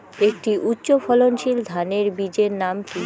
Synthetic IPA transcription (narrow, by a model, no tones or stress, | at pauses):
ek̚ʈiʔutːɕofʰɔlonʃild̪ʱaneɾbid͡ʑeɾnamki